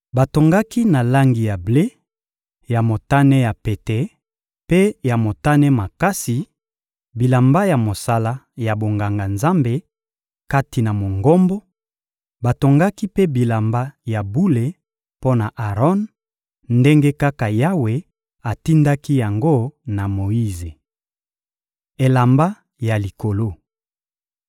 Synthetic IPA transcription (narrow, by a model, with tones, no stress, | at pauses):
ba˨to˨ŋɡa˦ki˦na˨la˦ŋɡi˨ja˨ble˦ | ja˨mo˨ta˦nɛ˦ja˨pe˨te˨ | pe˦ja˨mo˨ta˦nɛ˦ma˨ka˦si˨ | bi˨la˨mba˦ja˨mo˨sa˦la˦ja˨bo˨ŋɡa˨ŋɡa˨nza˦mbe˦ | ka˦ti˨na˨mo˨ŋɡɔ˦mbɔ˦ | ba˨to˨ŋɡa˦ki˦pe˦bi˨la˨mba˦ja˨bu˦le˨ | po˦na˨ʔa˨ʁɔ˦n | nde˦ŋɡe˦ka˦ka˨ja˦we˨ | a˨ti˦nda˦ki˦ja˨ŋɡo˦na˨mo˨i˦ze˨ | e˨la˨mba˦ | ja˨li˨ko˨lo˦